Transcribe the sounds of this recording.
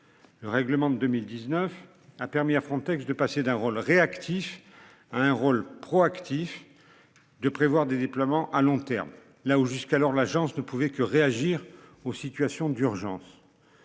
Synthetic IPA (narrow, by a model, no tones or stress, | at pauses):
ləʁɛɡləmɑ̃d̪d̪ømild̪iznəf | apɛʁmiafχɑ̃t̪ɛksd̪əpased̪ɛ̃ʁolʁeakt̪ʰif | aɛ̃ʁolpχɔakt̪if | d̪əpχevwaʁd̪ed̪eplwamɑ̃ʔalɔ̃t̪ɛ̰ʁm | lauʒyskalɔʁlaʒɑ̃snəpuvɛkəʁeaʒiʁosit̪ɥasjɔ̃d̪yʁʒɑ̰̃s